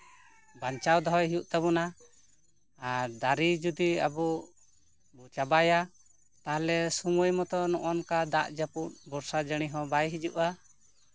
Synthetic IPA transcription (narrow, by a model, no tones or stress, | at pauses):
baɲt͡ʃawd̪ɔɦɔjɦijuʔt̪abɔna | aɾd̪aɾid͡ʒud̪ia̰bɔ | bɔt͡ʃabaja | t̪aɦlɛsuməjmɔt̪ɔnɔʔɔnkad̪aʔd͡ʒaput̪̚bɔɾsad͡ʒəɽ̃iɦɔbajɦid͡ʒuʔa